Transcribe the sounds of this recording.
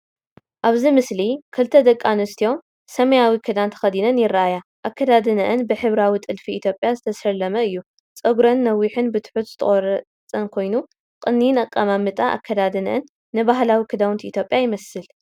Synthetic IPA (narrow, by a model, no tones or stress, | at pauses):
ʔaβzimɨslikʰɨlt̪ʰɐd̪ɐkʼːanɨst̪ʰijo̞m | sɐmɐjawikʰɨd̪ant̪ʰɐ̥xɐd̪inɐnjɪrːaʔajaʔakʰːɐd̪ad̪ɨnɐʔɨnbɨħɨβɾawit̪ʼɨlfiit̪ʰjo̞pʼjazɨt̪ʰɐsɐlɐmɐɨjːu | t͡sʼɐɡɾɐnːɐwːiħɨnbɨt̪ʰħut̪zɨ̥t̪ʰɐ̰χʼoɾɐ | t͡sʼɐnkʰo̞jnu | kʼɨnːijnɐkʼːamamɨt̪ʼaʔa̰kʰːɐd̪ad̪ɨnɐ̰ʔɨnː | ɨbaɦlawikʰɨd̪awʊnt̪it̪ʰjo̞pʼjajɪmɐsɨl